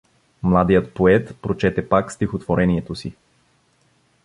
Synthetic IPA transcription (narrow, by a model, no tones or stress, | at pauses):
mlˠad̪ijət̪poɛt̪pɾot͡ʃɛt̪ɛpakst̪ixot̪voɾɛniɛt̪osi